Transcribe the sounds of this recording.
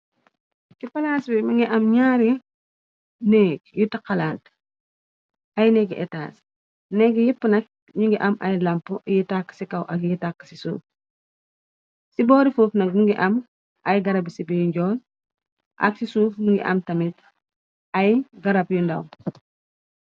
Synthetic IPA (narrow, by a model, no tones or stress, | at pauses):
sipɐlaːsbimiŋɡiʔɐmɲaːɾ | nɛːɡ̚jutaqalant | ɐjnɛɡʔɛ̰ta̰ːs | nɛɡijipːənɐk̚ | ɲuŋɡiʔɐmʔɐ̰jlɐmpːujitakːə̥sikɐwʔɐkjitakːə̥sisṵːf | sibɔːɾifuːfnɐk̚muŋɡiʔɐm | ʔɐjɡɐɾɐbisibijɲɟɔːl | ʔɐ̰ksisuːfmuŋɡḭʔɐ̰mtɐmit | ɐjɡɐɾɐpjundɐ̰w